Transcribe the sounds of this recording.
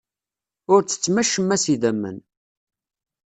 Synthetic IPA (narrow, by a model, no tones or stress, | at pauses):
ʊɾt͡sːə̥t͡sːmæʃːəmːæsiðæmːə̰n